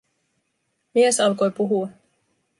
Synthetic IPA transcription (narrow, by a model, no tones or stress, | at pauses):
miesɑlko̞jpuɦuɑ